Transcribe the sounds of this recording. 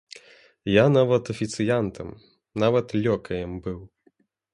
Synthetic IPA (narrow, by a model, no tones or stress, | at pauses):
janavɐt̪ɐfʲit̪sɨjant̪ʰɐm | navɐt̪lʲɔkɐjɛmbɨw